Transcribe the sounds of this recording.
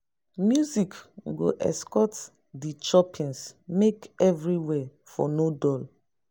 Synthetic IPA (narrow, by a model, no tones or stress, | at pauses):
mjuzikɡo̰ʔɛ̰skɔt | dit͡ʃɔpʰĩnsmekɛvɹiwɛ | fɔ̰nodɔl